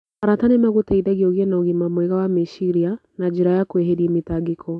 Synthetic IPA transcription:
aɾatanɛmaɣotaiðaɣiɔɣiɛnaoɣimamwɛɣawamiʃiɾianad͡ʒiɾajakweɦeɾiɛmitaɡikʰɔ

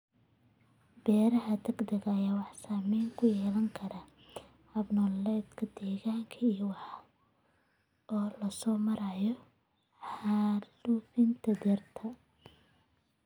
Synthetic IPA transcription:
bɛːɾɐɦɐd̪ɐɡd̪ɐɣɐːjaːwɑħsaːmɛːŋkʰʊjɛːlɐŋkʰɐɾɐ | hɐbnɔlːɛːd̪kʰɐd̪ɛːɣaːŋkʰɐijwɑħ | ʔɔːlɐsɔːmɐɾɐjɔ | ħaːlufɪnt̪ʰɐd̪ɛrt̪ʰɐ

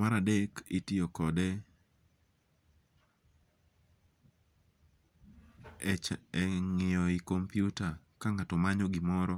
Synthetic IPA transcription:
maɾadekitiokɔdɛ | ɛŋɪjɔikompjutakaŋatɔmaɲɔɡɪmɔɾɔ

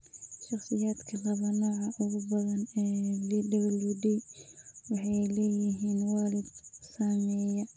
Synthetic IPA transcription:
ʃɑχsɪjaːd̪kʰɐlɐβɐnɔːʕɑʔʊɣʊbɐðɐnɛːbiɖɐɣɐluːd̪ɛjwɑħɑjlɛːjɪɦiːnwɑːlɪd̪saːmɛːjɐ

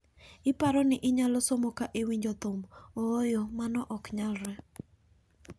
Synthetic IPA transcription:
ɪpaɾɔnɪʔɪɲalɔsomokaʔɪwiɲd͡ʒot̪ʊmɔːjɔmanɔʔɔkɲalɾɛ

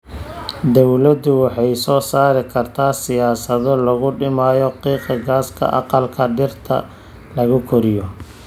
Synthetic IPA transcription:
d̪ɔwlɐd̪ʊwɑħɑjsɔːsaːɾɪkʰɐrt̪ʰaːsɪjaːsɐðɔlɐɣʊɖɪmaːjɔqiːqɪɡaːskʰɐ̰ʔɑ̰qɑlkʰɐɖɪrt̪ʰɐ̰ | lɐɣʊkʰɔɾɪjɔ

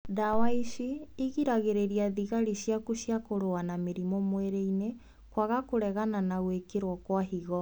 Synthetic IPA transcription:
dawaiʃiiɣiɾaɣeɾeɾiaðiɣaɾiɕjakuɕjakoɾoanameɾimɔmwɛɾeine | kwaɣakoɾɛɣananaɣwekeɾwɔkwaɦiɣɔ

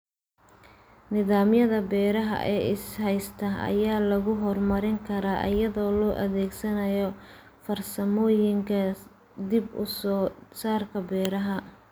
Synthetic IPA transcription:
nɪðaːmjɐðɐbɛːɾɐɦɐ̰ʔɛːʔɪshɛjst̪ʰɐɐ̰jaːlɐɣʊɦɔrmɐɾɪŋkʰɐɾaːʔɐ̰jɐðɔːlɔːʔɐ̰ðɛːɡsɐnɐjɔ | fɐrsɐmɔːjɪŋkʰɐ | d̪ɪbʊ̰sɔːsaːrkʰɐbɛːɾɐɦɐ

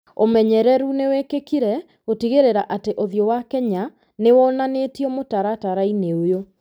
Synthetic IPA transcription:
omɛɲɛɾɛɾunewekekiɾɛ | otiɣeɾeɾaʔateʔoðjɔwakɛɲa | newɔnanetiɔmotaɾataɾaineojo

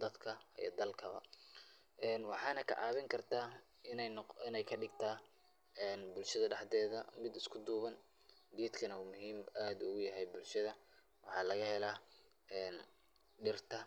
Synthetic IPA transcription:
d̪ɐd̪kʰɐḭj̰d̪ɐlkʰɐβɐ̰ | ʔɛːnwɑħɑːnɐkʰɐ̰ʕɑ̰ːβɪŋkʰɐrt̪ʰaː | ɪnɛɪnɛjkʰɐɖɪɡt̪ʰaː | ɛːnbʊlʃɐðɐɖɑħd̪ɛːðɐmɪd̪ɪskʰʊd̪uːβɐn | ɡ̪iːd̪kʰɐnɐuːmʊɦiːmaːd̪ʊɣʊjɐɦɛjbʊlʃɐðɐ | wɑħɑːlɐɣɐhɛlaː | ɛːn | ɖɪrt̪ʰɐ

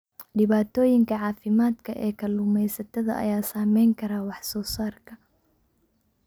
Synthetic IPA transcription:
ɖɪβaːt̪ʰɔːjɪŋkʰɐʕɑːfɪmaːd̪kʰɐʔɛːkʰɐlʊmɛjsɐt̪ʰɐðɐ̰ʔɐ̰jaːsaːmɛjŋkʰɐɾaːwɑħsɔːsaːrkʰɐ

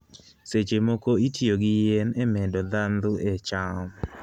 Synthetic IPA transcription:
set͡ʃemokoitʰioɡɪjenemɛdɔd̪and̪ʊɛt͡ʃaɔm

